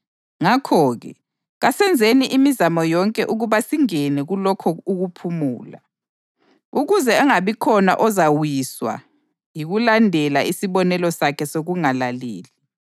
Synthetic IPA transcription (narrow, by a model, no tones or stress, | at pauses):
ŋakʰɔːɣɛ̰ | ɣasɛnd͡zʱeniʔimizamɔjɔŋkʼɛʔuɣuβasiŋɛnɛɣulɔkʰɔuɣupʰumṵːla̰ | uɣuzɛːŋaβikʰɔna̰ʔɔzawiswa̰ | jiɣulandʱɛlaisiβɔnɛlɔsakʰɛsoɣuŋalalḛːli